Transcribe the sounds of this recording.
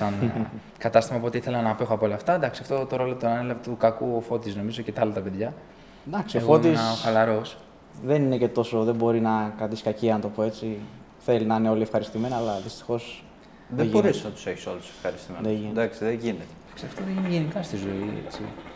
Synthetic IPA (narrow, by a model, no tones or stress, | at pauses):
sɐn | kɐt̪ɐst̪imɐpoo̞t̪iiθe̞lɐnɐpexoɐpoolɐːft̪ɐnd̪ɐksiɐft̪o̞t̪oɾo̞lot̪onɐnelɐvet̪ukɐkufo̞t̪izno̞mizo̞cet̪ɐlot̪ɐpeðʝɐ | d̪ɐksiofo̞t̪isɐoxɐlɐɾo̞s | ðe̞nine̞ce̞t̪o̞so̞ðe̞bo̞ɾinɐkɾɐt̪iskɐciɐnt̪o̞poe̞t͡si | θe̞linɐineo̞liefxɐɾist̪imenɐːlɐðist̪i̥xo̞s | ðeʝiboɾesnɐt̪u̥se̞çi̥so̰luse̥fxɐɾist̪imeðeind̪ɐksiðeʝinet̪e̥ɐksiɐft̪oðenʝinikɐst̪izo̞iḛt͡sḭ